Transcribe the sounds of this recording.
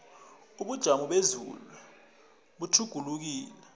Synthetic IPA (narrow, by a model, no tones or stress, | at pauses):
uɓud̥ʒ̥ʱamɔɓezṵlu | ɓutʰuɡ̥ʱuluk̬iːlɛ